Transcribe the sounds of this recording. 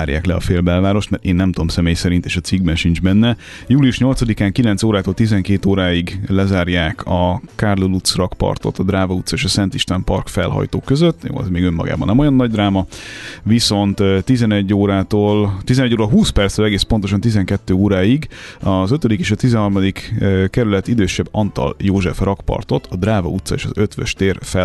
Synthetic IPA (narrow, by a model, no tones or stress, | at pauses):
aːɾja̰ːklɛɒ̰feːlbɛlvaːɾo̞ʃt̪mɛɾeːnːɛmt̪omsɛmeːjsɛɾint̪eːʃɒt̪siɡ̚bɛnʃind͡ʒbɛnːɛ | juːlijuʃɲo̞lt̪sɒd̪ikaːŋkilɛnt̪soːɾaːt̪oːlt̪izɛŋkeːt̪oːɾaːiɡlɛzaːrjaːkʰɒkaːrlolut̪srɒkpɒ̰rt̪o̞̰t̪ːɒd̪raːvɒut̪sːɒeːʃɒsɛnt̪iʃt̪ɛmpɒ̰rkfɛ̰lɦɒ̰jt̪o̰ːkøzøt̪ːjo̰ːɛ̰zmeːɡø̞mːɒ̰ɡa̰ːbɒ̰nːɛmo̞jɒnːɒɟd̪raːmɒviso̞nt̪t̪izɛnɛɟːoːɾaːt̪oːlt̪izɛnɛɟːoːɾɒɦuːspɛrt̪st̪øːlɛɡeːspo̞nt̪o̞ʃ̬ɒnt̪izɛŋkɛt̪ːøːoːɾaːiɡɒzøt̪ød̪ikeːʃɒt̪izɛnɦɒrmɒd̪ikkɛɾylɛt̪id̪øːʃɛbːɒnt̪ɒ̰ljoːʒɛfrɒkpɒ̰rt̪o̞t̪ʰɒd̪raːvɒ̰ut̪sɒḛːʃɒzøt̪ʋɛʃt̪eːrfɛ